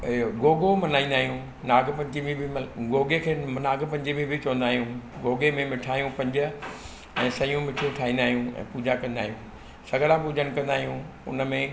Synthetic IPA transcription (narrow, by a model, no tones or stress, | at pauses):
ɡoːɡomɐnaːĩːnd̪aːɦijũ | naːɡpɐ̃ɲd͡ʑimibʱɪɡoːɡekʰeːnaːɡpɐ̃ɲd͡ʑimĩbʱit͡ɕɐʋə̃nd̪aːɦijũɡoːɡemẽmɪʈʰaːijũpɐ̃ɲd͡ʑɪ̆ | ɛ̃ːsɐijũmɪʈʰoʈʰaːĩːnd̪aːɦijũɛ̰̃ːpuːd͡ʑakɐ̃nd̪aːɦijũː | sɐɡəɽapuːd͡ʑəñ̆kɐ̃nd̪aːɦijũ | ʊ̰nmẽ